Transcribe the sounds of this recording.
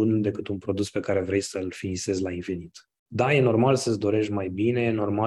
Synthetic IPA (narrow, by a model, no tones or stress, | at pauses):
und̪e̞kɨt̪unpɾo̞d̪uspe̞kaɾe̞vɾe̞jsəlfinise̞zʲlainfinit̪ | d̪aje̞no̞rmalsəsd̪o̞ɾe̞ʃʲmajbine̞jeno̞rma